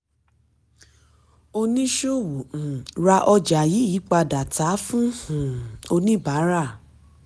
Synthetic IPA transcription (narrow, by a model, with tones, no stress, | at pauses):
o˧nĩ˦ʃo˦˨wu˨ũ˨ɾa˧ʔɔ˧d͡ʒa˨ji˨˦i˨˦k͡pa˧da˨ta˨˦fũ˦hũ˨o˧nĩ˦ba˨˦ɾa˦˨